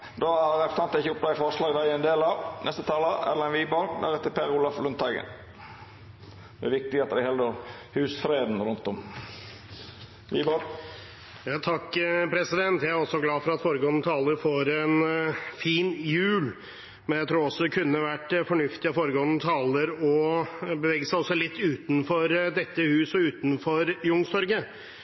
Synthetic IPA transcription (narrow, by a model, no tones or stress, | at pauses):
d̪ɔæɾɛft̪əɾɑnt̪ɪçəʊpd̪æfɔʂlɑːɡʋæɪənd̪eːlɑnɛst̪ət̪ʰɑːləæ̰lɛnʋiːbɑld̪æ̰ɾɛt̪ːəpʰeːɾʊlɑflʉnt̪ɑɡə̰ | d̪ɛæɾʋɪk̚t̪ɪɡɑt̪ːəd̪ɛhɛld̪əhʉːsfɾeːd̪n̩ɾʉnt̪ɔm | ʋiːbɑ | jɑːt̪ʰɑkːpʰɾɛsɪd̪ɛnt̪jæɪæɾɔsɔɡlɑːfɔɾɑt̪foːɾəɡoːnət̪ʰɑːləɾfoːɾɛnfiːnjʉːl | mɛnjæɪt̪ʰɾuːɾɔsːɔkʰʉnːəʋæʈːfɔɳʉft̪ɪɑfoːɾəɡoːnət̪ʰɑːləɾɔbəʋeːɡəsæɪɔsːɔlɪt̪ːʉːt̪nfɔɾd̪ɛt̪ːəhʉːsɔʉːt̪n̩fɔɾjʊŋst̪ɔɾɡə